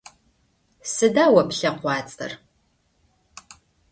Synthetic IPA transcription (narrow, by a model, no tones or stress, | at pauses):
sɨdaːwɐpɬɐqʷɑːt͡sʼɐ̰r